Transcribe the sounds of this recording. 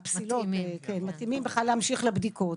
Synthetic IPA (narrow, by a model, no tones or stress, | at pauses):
psilotekenmat̪imimbeχlalːeamʃiχlebdikot